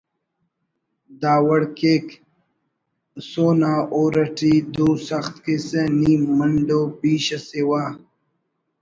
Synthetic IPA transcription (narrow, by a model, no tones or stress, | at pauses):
d̪aːwəɽkek | soːnaːʔoːɾɐʈiːd̪usɐxt̪kiseniːməɳɖopiːɕɐsewaː